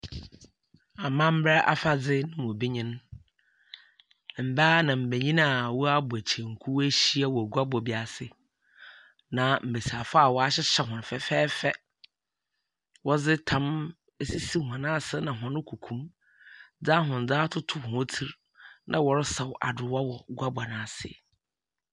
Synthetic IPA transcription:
a˨mã˦m̩˦bɾɛ˦ʔa̰˦fa˨d͡zɪ˦nʊ̃˦mʊ̃˨bi˦ɲɪ̃˦n˨ | m̩˨baː˦nã˨m̩˨be˨ɲĩ˦na˦˨wɔ˦a˦bʊ˨æ˨t͡ɕʰɛ˨ŋ̩˨kʰu˦wæ˦ɕi˦a˦wɔ˨ɡu˦a˦bɔ˨bi˨a˨sɪ˦ | nã˨m̩˨be˨sa˨fa˦a˨wɔ˨a˦ɕɪ˦ɕɛ˦ɦʊ̃˨n˨fɛ˨fɛː˦fɛ˦ | wɔ˦d͡zɪ˦tʰã˦m | e˦si˦si˦˨ɦã˨nã˦sɪ˦nã˨ɦɔ̃˨nʊ̃˦kʰu˨kʰũ˦m | d͡za˦ɦʊ̃˨n˨d͡zaː˦tʰʊ˦tʰʊ˨hɔ̃˦tʰi˦ɾ | nʔã˦wɔ˨ɾɪ˦sa˨wʔa̰˨dɪ˨wa˦wɔ˨ɡʷa˦ba˨nã˨sɪ̰˨

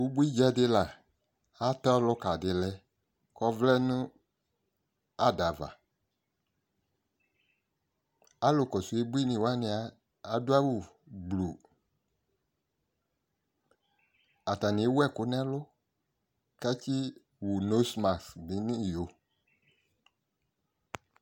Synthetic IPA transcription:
wu˦bu˦i˦d͡ʒa˦dɪ˧la˨ | a˦tɔ˦lʊ˦ka˨dɪ˨lɛ˧ | kɔ˦vlɛ˦nʊ̃˦ | a˦da˨va̰˨ | a˨˦lʊ˨kɔ˨su˨e˦bi˦nĩ˨wa˦nɪ̃˧aː˨˦˨ | dʊ˦a˦wu˨ɡ͡blu˨ | a˨ta˨ni˨˦wɛ˦˨kʊ˦nɛ̃˦lʊ˦ | ka˦t͡ʃi˦ | wu˨no˦sma˨sɡ͡bi˨˦nĩ˦˨jo˨

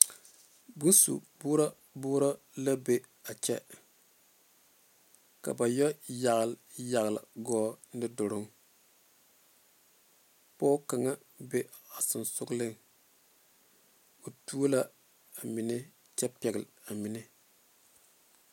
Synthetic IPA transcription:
bu˦n˦sṵ˨bu˦ɾa˦ | buː˦ɾa˦ | la˦be˦ | a˨t͡ʃɛ˦ | ka̰˨ba˨jɔ˦ja˨ɣlja˨ɣla̰˨ɡɔː˦dɪ˦dʊ˨ɾʊ˦ŋ | pɔː˦ka˨ŋa˦ | be˦a˨sɪ˨nsʊ˦ɡlɪ˦ŋ | o˨tu˦o˦la˦ | a˨mɪ˨nɪ˦ | t͡ʃɛ˦pɛ˨ɡɪ˨la˨mi˨nɪ˦

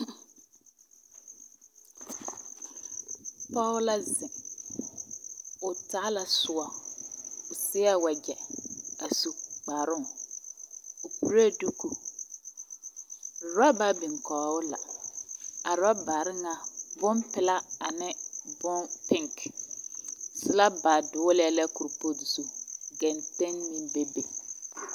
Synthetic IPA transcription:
pɔ˦wʊ˦la˦zɪ˨m | ʊ˨taː˦la˨sʊ˨ɔ˨ | ʊ˨sɪ˦a˦wa˨d͡ʒɛ˨a˨su˨k͡paː˨ɾʊ˦˨ | ʊ˨pu˦ɾa˦du˦ku˨ | ɾa˦ba˦bɪ˨ŋkɔː˨ʊ˦la̰˨ | a˨ɾa˦baː˨ɾɪ˦ŋa˨bʊ˦mpɪ˦la˦a˨nɪ˦bʊ˦npɪ˦ŋk | sɪ˦la˦ba˨dʊ˨˦lɛ˦la˦ku˨ɾpo˦di˨su˦ɡɛ˨ntɛ˦nːĩ˦be˦be˨

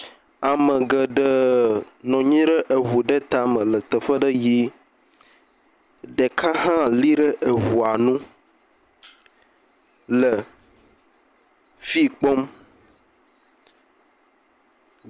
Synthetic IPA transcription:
a˨mə˨ɡə˨ɖə˦nɔ̃˨ɲĩ˦ɖə˦ʔe˨ɦu˨ɖe˦t̪a˦mə̃˨lə˨t̪ə˨ɸə˦ɖə˦ji˦ | ɖe˨kʰa˦ɦã˦li˦ɖə˦ʔe˨wu˨a˨nũ˦ | lə˨ | fi˦k͡pɔ˦m

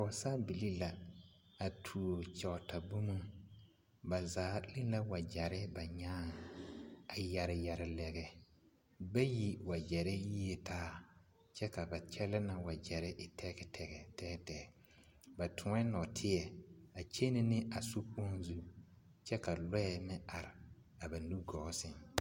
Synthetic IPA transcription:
a˨sa˦bi˨li˦la˨ | a˨tʰu˨o˨t͡ʃɛ˨ʊ˨ta˨bu˦mu˦ | ba˨zaː˨˦li˦la˦wa˨d͡ʒa˨ɾɪ˦ba˨ɲaː˦ŋ | a˨ja˨ɾɪ˨ja˨ɾɪ˨lɛ˨ɡɛ˨ | ba˦ji˦˨wa˨d͡ʒɛ˨ɾɪ˦ji˦e˨tʰaː˦ | t͡ʃɛ˦ka˨ba˨t͡ʃɛ˦lɛ˦na˨wa˨d͡ʒɛ˨ɾɪ˦ʔɪ˨tʰɛ˦kɛ˨tʰɛ˦ɡɛ˨tɛ˦ɡtɛ˨ | ba˨tʰʊ˨ŋɛ˦nɔ˨tʰɪ˦ɛ˨a˨t͡ʃe˦nɪ˦nɪ˦a˨su˦pu˦o˦n˦zu˦ | t͡ʃɛ˦ka˨lɛ˦ɛ˨mɪ˦a˨ɾɪ˨ | a˨ba˨nu˦ɡɔː˨˦sɪ˦ŋ

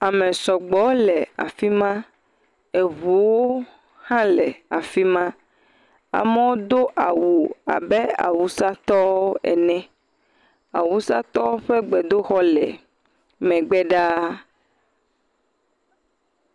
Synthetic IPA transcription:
a˨mɛ̃˨sɔ˨ɡ͡bɔ˨˦lɛ˨a̰˨fi˦mã˦ | e˨βu˨wo˦ | hã˦lɛ˨a˨fi˦mã˦ | a̰˨mɛ̃˦wo˦d̪o˦ʔa˨wu˨a̰˨bɛ˦a̰˨wu˨sa˦t̪ɔ˦wo˦ɛ̰˨nɛ̃˦ | a˨wu˦sa˦t̪ɔ˦ɸɛ˦ɡ͡bɛ˨d̪o˦xɔ˦lɛ̰˨ | mɛ̃˨ɡ͡bɛ˦ɖa˦

